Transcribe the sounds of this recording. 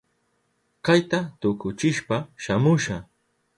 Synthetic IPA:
kajt̪at̪ʊkʊt͡ʃɪʃpaʃamʊʃa

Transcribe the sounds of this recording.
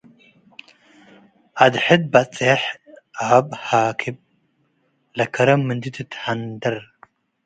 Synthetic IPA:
ʔad̪ħɨd̪̚bɐt͡sʼeħʔabhaːkʰib̚ | lɐkʰɐɾɐmːɨnd̪it̪ʰɨt̪ʰħand̪ɐɾ

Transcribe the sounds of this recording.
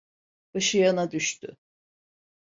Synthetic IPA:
b̥ɯʃɯjanad̪yʃt̪y̰

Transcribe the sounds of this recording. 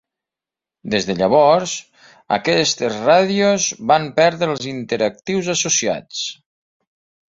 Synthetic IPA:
d̪ezðəʎəβ̞ɔɾz | ə̰kɛst̪ezraðiozβampɛɾðɾəlˠzint̪eɾək̚t̪iwzəsusia̰t͡s

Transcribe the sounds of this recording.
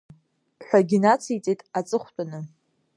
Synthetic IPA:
ħʷᶣaɡʲinat͡sʰiit͡sʼetʼat͡sʼɨχʷtʷʼanɨ

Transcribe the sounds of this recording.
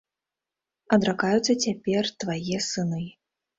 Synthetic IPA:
ɐd̪ɾakajut̪sːɐt͡sʲapʲɛrt̪vajɛsɨnɨ

